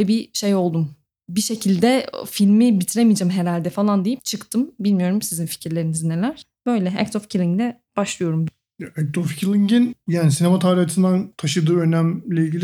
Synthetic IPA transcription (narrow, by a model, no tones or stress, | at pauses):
ɛbiʃe̞jo̞lˠd̪um | biʃe̞cʰilʲd̪ɛfilʲmibit̪ʰiɾemijd͡ʒæmɦe̞ɾalʲd̪ɛfalˠand̪ejip̚t͡ʃʰɯkt̪ʰɯmbilʲmijo̞ɾumsizinfi̥cʰiɾlʲe̞ɾinizine̞lʲæɾ̥ | b̥ø̞jlʲɛæ̰kt̪ofcʰilʲˠiŋɡd̪ɛ | b̥aʃlˠɯjo̞ɾum | ɛk̚t̪ʰofcʰilʲˠiŋɟinjaːnisinemat̪ʰaːɾihat̪ʰɯnd̪ant̪ʰaʃɯd̪ɯːønæmlʲɛilʲɟilʲi